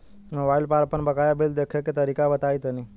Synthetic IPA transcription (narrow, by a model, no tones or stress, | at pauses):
məʋailpaɾpəɳbəkajabeld̪ekʰeket̪əɾikabət̪ajt̪əni